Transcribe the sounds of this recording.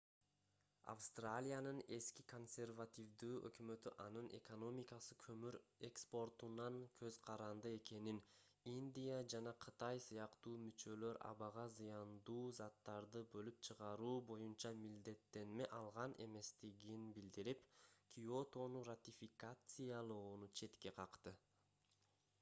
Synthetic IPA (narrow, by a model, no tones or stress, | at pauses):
a̰fst̪ralʲijanɯne̞skiko̞nsʲe̞rvat̪ʲivd̪yːʔø̰kmø̞t̪y̰ʔɑnɯnʔe̞̰ko̞no̞mʲɪkasɯkʰømyɾe̞kspo̞rt̪unɑŋkʰø̞zqʰɑɾɑnd̪ɯe̞ke̞nin | inʲd̪ʲijad͡ʒɑnɑqʰɯt̪ɑjsɯjɑqt̪uːmyt͡ʃø̞lø̞ɾʔɑ̰βɑʁɑzɯjɑnd̪uːzɑt̪ːɑɾd̪ɯbø̞lyp̚t͡ʃʰɯʁɑɾuːbo̞junt͡ʃɑmild̪e̞t̪ːe̞nme̞ʔɑlˠʁɑnʔe̞̰me̞st̪iɡinbild̪iɾipkʲʰio̞t̪o̞nurat̪ʲifʲikat̪sɨjalˠoːnut͡ʃʰe̞t̪ke̞qʰɑqt̪ɯ